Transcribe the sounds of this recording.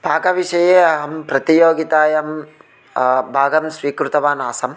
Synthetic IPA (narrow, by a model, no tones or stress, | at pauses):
bʱaːɡɐʋiʃɐjeːɐɦɐmpɾɐt̪ijoːɡit̪aːjɐm | bʱaːɡɐmsʋiːkɾut̪ɐʋaːnaːsɐm